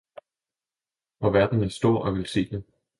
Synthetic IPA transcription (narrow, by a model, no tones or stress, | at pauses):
ɒʋæɐd̥n̩æsd̥o̝ɐ̰ʔɒ̽ʋe̝lse̝̰ːd̥e